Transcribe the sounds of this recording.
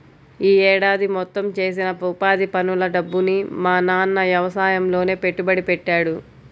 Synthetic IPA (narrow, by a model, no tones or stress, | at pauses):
iːɛːɽaːd̪imɔt̪ːɐmt͡ʃe̞ːs̬inɐpɐwpaːd̪ipɐnulɐɖɐbːunimaːnaːnːɐʋjɐʋɐsaːjɐmlo̞ːne̞ːpe̞ʈːubɐɽipɛʈːaːɽu